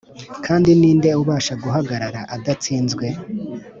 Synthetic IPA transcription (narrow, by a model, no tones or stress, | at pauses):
kʰaːndiniːnde̞uβaːʃaɡuɦaɡaɾaɾaʔadat͡siːnzɡwe̞